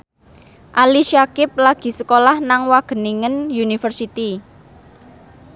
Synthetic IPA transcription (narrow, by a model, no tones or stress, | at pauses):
ʔaliʃakɪp̚laɡ̥i̤səkolahnaŋwaɡ̥ə̤niŋənjunifərsit̪i